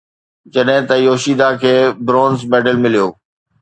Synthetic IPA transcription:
d͡ʑɐɗɦɪ̃t̪ɐjoːʃiːd̪akʰeːbɾõːnzmeːɖəlmɪlijoː

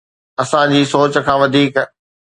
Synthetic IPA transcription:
ɐsãd͡ʑiːsoːt͡ɕkʰãːʋɐd̪ʱiːk

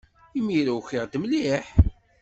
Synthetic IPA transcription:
imiɾæwçiʁd̪mliħ

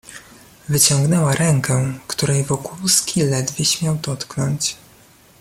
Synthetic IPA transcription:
vɘt͡ɕɔŋɡnɛwaɾʔɛŋkɛkt̪uɾɛjvɔkulskʲilɛd̪vʲjeɕmʲjawd̪ɔt̪knɔɲt͡ɕ

